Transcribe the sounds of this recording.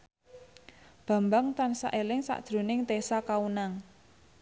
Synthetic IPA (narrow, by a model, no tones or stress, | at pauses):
b̥ä̤mbaŋt̪ansa̰ʔelɪŋsa̰ʔd̥ʒ̥ɾo̤nɪŋt̪esakaunaŋ